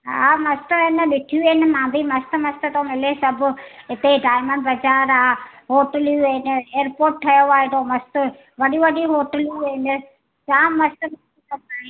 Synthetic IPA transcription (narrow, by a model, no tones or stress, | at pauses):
ɦaːmɐst̪əɪnəɗɪʈʰijuɪnɪmãːbʱimɐst̪əmɐst̪ət̪õːmɪlesɐbʊɪt̪eɖaːɪməɳɖbɐd͡ʒaːɾaːɦoːʈəljuɪneːəɾpoːɾʈ̚ʈʰːɐjoaːɦed̪oːmɐst̪ʊ | ʋɐɗiʋɐɖiɦoːʈəljuɪnɪ | t͡ʃãːmɐst̪əmɐt̪ikɐɾd̪aːɦẽ